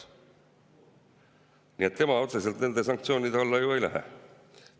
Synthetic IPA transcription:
nie̞t̪ːe̞mɑo̞t̪se̞se̞lt̪ne̞nd̪e̞s̬ɑŋk̚t̪sioːnʲid̪eɑlːɑejuejlæ̰ɦḛ

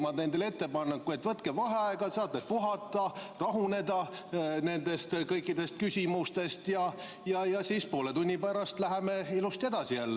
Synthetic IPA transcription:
mɑd̪ne̞nd̪ele̞t̪ːe̞pɑnːɑkːujet̪ːvɤt̪kevɑɦe̞ɑeɡ̥ɑsɑːt̪net̪̚puɦɑt̪ːˑɑrɑɦune̞d̪ɑne̞nd̪̥e̞st̪kɤjkːˑid̪̥e̞st̪̚kysʲimust̪e̞st̪jɑ | jɑjɑsiːspo̞ːlet̪unʲːipæɾɑst̪læɦemeilust̪e̞d̪̥ɑsijælːe

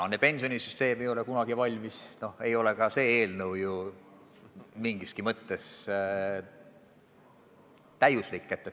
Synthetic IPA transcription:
onːepe̞nʲsio̞nisyst̪e̞ːmejo̞lekunɑɡ̥ivɑlʲmisno̞he̞jo̞le̞kɑse̞ːe̞ːlnɤwju | miŋɡ̥iskimɤt̪ˑːe̞s | t̪æjuslikːˑet̪ːˑe

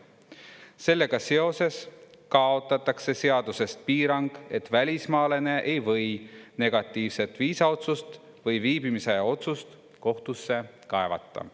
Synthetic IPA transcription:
se̞lːe̞ɡ̥ɑse̞o̞se̞skɑo̞t̪ˑːɑt̪ːˑɑkse̞se̞ɑd̪̥use̞st̪̚piːɾɑŋɡ̥e̞t̪ːˑvælʲismɑːle̞ne̞ʔejvɤ̞jne̞ɡ̥ɑt̪ˑːiːvse̞t̪ːˑviːsɑo̞t̪sust̪ | vɤjviːbimiseo̞t̪sust̪ | ko̞ht̪usːe̞ | kɑe̞vɑ̰t̪ːˑɑ̰

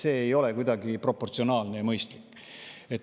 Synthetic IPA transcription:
se̞ːejo̞le̞kujd̪ɑɡipro̞po̞rt̪sio̞nɑːlnejɑmɤjst̪likː | e̞t̪

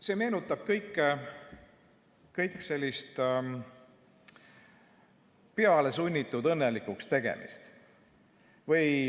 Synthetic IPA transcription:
se̞ːme̞ːnut̪ːˑɑb̥kɤjkːe | kɤjkːˑse̞lʲːist̪ | peɑle̞sunʲːit̪ːˑud̪ɤnːelikˑukst̪e̞ɡ̥ḛmḭst̪ | vɤj

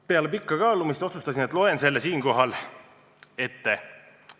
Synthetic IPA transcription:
pe̞ɑlepikːɑkɑːlumist̪o̞t̪sust̪ɑsinet̪ːˑlo̞ense̞lːesiːŋko̞ɦɑl | e̞t̪ːe

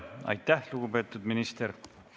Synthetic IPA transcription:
ɑ̰jt̪ːˑæhluɡ̥upe̞ːt̪ːˑud̪minist̪eɾ

